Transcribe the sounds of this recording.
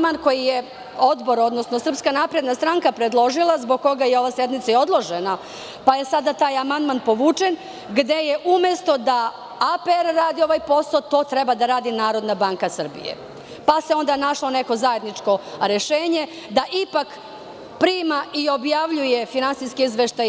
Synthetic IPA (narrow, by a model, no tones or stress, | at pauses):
manko̞jije | o̞d̪bo̞ɾo̞d̪nosnosr̩pskanapɾe̞d̪nast̪ɾaŋkapɾed̪lˠo̞ʒilˠazbo̞ɡ̚ko̞ɡajeo̞ʋased̪mit̪sao̞d̪lˠo̞ʒena | paje̞sad̪at̪aːjamand̪manpo̞ʋuːt͡ʂen | ɡd̪e̞jeʔume̞st̪o̞d̪a | apeeɾːaːd̪io̞ʋajpo̞sot̪o̞ːt̪ɾebad̪aɾaːd̪inaːɾo̞d̪nabaŋkasr̩bḭjḛ | pase̞o̞nd̪anaʂlo̞neko̞zaje̞d̪nit͡ʂko̞ɾeʃeːɲe̞ | d̪aʔipak | pɾiːmaʔio̞bjaʋʎuje̞finantsijskiizʋeʃt̪aj